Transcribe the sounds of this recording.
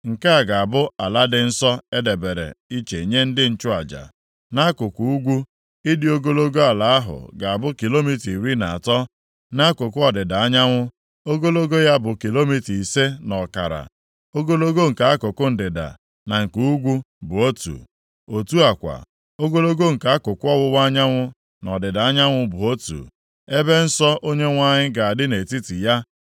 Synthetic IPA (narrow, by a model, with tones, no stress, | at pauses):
ŋ̩˨ka˦a˨ɡa˨a˨bʊ˦a˨la˦dɪ˦n̩˦sɔ˦e˦de˨be˨ɾḛ˨i˦t͡ʃe˨i˨ɲe˦n̩˦dɪ˦n̩˦t͡ʃʊ˦a˨d͡ʒa̰˨ | na˦kʊ˨ku˨u˦ɡʷu˦ | i˦dɪ˦o˦ɡo˦lo˦ɡo˦a˨la˨a˦ɦʊ̰˨ɡa˨a˨bʊ˦ki˨lo˦mi˦ti˨ɾi˦na˨a˨tɔ˦ | na˦kʊ˨kʊ˦ɔ˨dɪ˨da˨a˦ɲa˦ŋʷʊ˦ | o˦ɡo˦lo˦ɡo˦ja˦bʊ˨ki˨lo˦mi˦ti˨se˦nɔ˨ka̰˨ɾa̰˨ | o˦ɡo˦lo˦ɡo˦˨ŋ̩˨ka˨a˦kʊ˨kʊ˦n̩˨dɪ˨da̰˨ | na˨ŋ̩˨ku˦u˦ɡʷu˦ | bʊ˨o˦tṵ˨ | o˨tu˦a˨kʷa̰˨ | o˦ɡo˦lo˦ɡo˦˨ŋ̩˨ka˨a˦kʊ˨kʊ˦ɔ˦wʊ˦wa˦ɲa˦ŋʷʊ˦ | nɔ˨dɪ˨da˨a˦ɲa˦ŋʷʊ˦bʊ˨o˦tṵ˨ | e˦be˦n̩˦sɔ˦ʔo˦ɲe˦ŋʷa˦ɲɪ˦ɡa˨a˨dɪ˦ne˨ti˦ti˨ja˦